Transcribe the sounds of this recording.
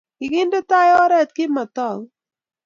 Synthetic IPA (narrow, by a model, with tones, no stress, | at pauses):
kɪ˨ɡɪ˦ndo˦t̪a˦jɔ˦ɾɛ˦˨t̪̚kɪ˦ma˨t̪ɔ˦˨ŋ